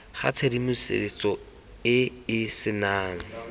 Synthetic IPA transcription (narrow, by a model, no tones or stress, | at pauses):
χa̰t͡sʰedimʊsɪ̰ɪt͡sʼɔ | ɪɪsɪnaːŋ̩